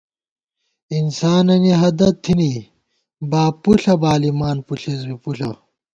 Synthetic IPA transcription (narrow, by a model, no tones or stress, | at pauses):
insaːnɐniɦɐd̪ɐt̪ʰːini | baːpuɬɐbaːlimaːnpuɬizmipuɬɐ̰